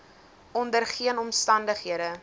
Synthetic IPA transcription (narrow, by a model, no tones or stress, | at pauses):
ʔɔndərχiənɔmstɐndəχɦiədə